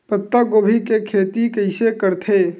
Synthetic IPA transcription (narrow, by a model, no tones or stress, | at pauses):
pət̪ːaɡoːbʱikekʰeːt̪ikɐɪsekəɾt̪ʰeː